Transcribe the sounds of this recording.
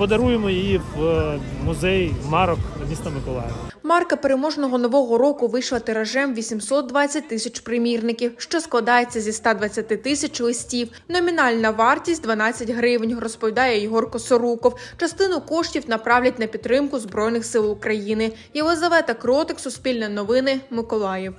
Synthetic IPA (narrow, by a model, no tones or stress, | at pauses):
pɔd̪ɐɾujemɔjɪjiʋ | mʊzɛjmɑɾɔkmʲist̪ɐmɪkɔlˠɑ̰jɛʋɐmɑrkɐpeɾemɔʒnɔɦɔnɔʋɔɦɔɾɔkʊʋɪʃlˠɐt̪ɪɾɐʒɛmʋʲisʲimsɔt̪̚d̪ʋɑt͡sʲːɐt̚ʲt̪ːɪsʲɐt͡ʃpɾɪmʲirnɪkʲiwʃt͡ʃɔsklˠɐd̪ɑjet͡sʲːɐzʲist̪ɑd̪ʋɐt͡sʲːɐt̪ɪt̪ɪsʲɐt͡ʃlˠɪsʲtʲiw | nɔmʲinɑlʲnɐʋɑrtʲisʲtʲd̪ʋɐnɑt͡sʲːɐtʲɦɾɪʋnʲrɔspɔʋʲid̪ɑjɛjɪɦɔrkɔsɔɾukɔwt͡ʃɐst̪ɪnʊkɔʃtʲiwnɐpɾɑwlʲɐt̚ʲnɐpʲidt̪t̪ːɾɪmkʊzbɾɔjnɪxsɪlˠʊkɾɐjinɪ | jɐɦɔzɐʋɛt̪ɐkɾɔt̪ɪksʊspʲilʲnɐnɔʋɪnɪmɪkɔlˠɑjɛw